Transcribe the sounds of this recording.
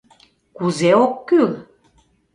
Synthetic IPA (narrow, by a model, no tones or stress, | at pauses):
kuzeokːyl